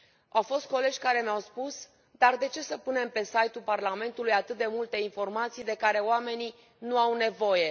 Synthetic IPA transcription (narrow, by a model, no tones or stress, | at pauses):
awfo̞st̪̚ko̞le̞d͡ʒʲkaɾe̞mawspus | d̪ard̪e̞t͡ʃe̞səpune̞mpe̞sajt̪ulparlame̞nt̪ulujat̪ɨt̪̚d̪e̞mult̪e̞info̞rmat̪sijd̪e̞kaɾe̞oame̞ni | nuawne̞vo̞je̞